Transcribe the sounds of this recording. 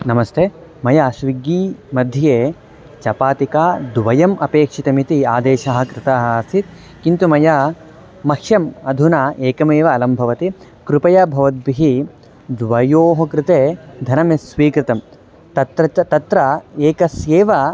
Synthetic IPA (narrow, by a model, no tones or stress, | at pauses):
nɐmɐst̪ʰeːmɐjaːsʋiɡːiːmɐd̪ʱːjɐjeː | t͡ʃɐpaːt̪ikaːd̪ʋɐjɐmʔɐpeːkʂit̪ɐmit̪iaːd̪eːʃaɦɐ̆kɾɪt̪aːɦɐst̪ʰit̪̚ | kint̪umɐja | mɐkʂjɐmɐd̪ʱunaːʔeːkɐmeːʋɐːlɐmbʱɐʋɐt̪i | kɾupɐjɐbʱɐʋɐt̪̚biɦi | d̪ʋɐjoːɦɐkɾɪt̪eːd̪ʱɐnɐmesʋiːkɾɪt̪ɐm | t̪ɐt̪ɾɐt̪ɐt̪ɾɐeːkɐsjeːʋɐ